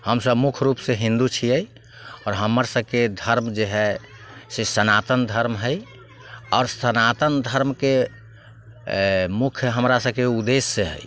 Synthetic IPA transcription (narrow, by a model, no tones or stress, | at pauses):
həmsəbmukʰɾupseɦĩnd̪ut͡ʃʰiəj | ɔɾɦəməɾsəb̚ked̪ʱəɾmd͡ʒeɦɛ | sesənat̪ənd̪ʱəɾmɦəj | ɔːɾsənat̪ənd̪ʱəɾmke | mukʰjəɦəmɾasəbkeud̪esːeɦə̰j